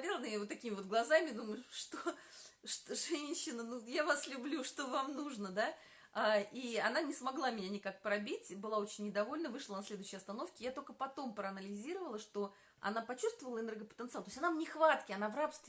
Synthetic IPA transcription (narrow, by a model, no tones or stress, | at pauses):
dʲelˠnɨvot̪ːɐkʲimʲɪvo̞t̪ɡlˠɐzamʲɪd̪uməjʊʂt̪o | ʂt̪oʐɛnʲɕːɪnənujavaslʲʊblʲuʂt̪o̞vamnuʐnəd̪a | aiɐnanʲɪsmɐɡlˠamʲɪnʲanʲɪkak̚pɾɐbʲitʲbɨlˠao̞t͡ɕɪnʲːɪd̪ɐvolʲnəvɨʂlˠənɐsʲlʲe̞d̪ʊʉɕːɪjɐst̪ɐno̞fkʲɪjat̪o̞lʲkəpɐt̪o̞mpɾəɐnəlʲɪzʲiɾəvəlˠəʂt̪o̞ | ɐ̰napɐt͡ɕust̪vəvəlˠəɨnɛrɡəpə̥t̪ənt̪sɨalˠt̪osʲanamnʲɪxvat̪kʲɪɐnavrapst̪vʲɪ